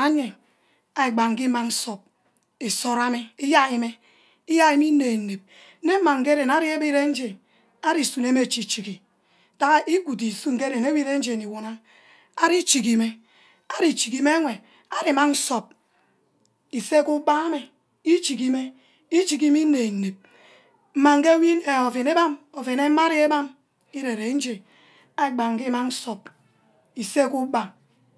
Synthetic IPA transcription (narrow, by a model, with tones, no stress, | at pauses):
a˦ɲe˨ | a˨i˨ɡ͡ba˨ŋ̩˨ki˦ma˨ŋ̩˦so˨p̚ | i˨so˦ɾa˦mi˦i˦ja˦i˨me˦ | i˦ja˦i˦mi˦ne˨n˨ne˨b̩̚˦ | ne˦m̩˦ma˨ŋ̩˨ke˦ɾe˨na˦ɾi˦e˦bi˦ɾe˦n̩˦d͡ʒe˨n | a˦ɾi˨su˨ne˦me˦˨t͡ʃi˨t͡ʃi˨ki˨ | ta˦ɣa˦ʔi˦ɡu˨di˨su˦ŋ̩˨ke˦ɾe˨ne˦bi˦ɾe˦n̩˦d͡ʒe˨ni˨wo˨na˦ | a˦ɾi˦t͡ʃi˨ki˨me˦ | a˦ɾi˨t͡ʃi˨ki˨me˦ŋʷe˨ | a˦ɾi˨ma˦n̩˦so˨p̚ | i˨se˦ku˦ɡ͡ba˦a˦me˨ | i˦t͡ʃi˨ki˦me˦ | i˦t͡ʃi˨ki˦mi˦ne˨n̩˨ne˨p̚ | m̩˦ma˨ŋ̩˦ke˦wi˦e˨o˨fe˨ne˦ba˦mo˨fe˨ne˦ma˦ɾi˦e˦ba˦m | i˦ɾe˨ɾe˨˦n̩˦d͡ʒe˨ | a˦˨ɡ͡ba˨ŋ̩˨ki˦ma˦n̩˦so˨p̚ | i˨se˦ku˦ba˦